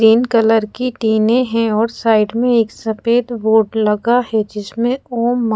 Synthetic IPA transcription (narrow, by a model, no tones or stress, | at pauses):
ɾiːnkələɾkiʈiːnẽɦɛ̃ɔːɾsaːɪɖmẽeːksɐfeːd̪boːɖlɐɡaɦɛd͡ʒɪsmẽoːmː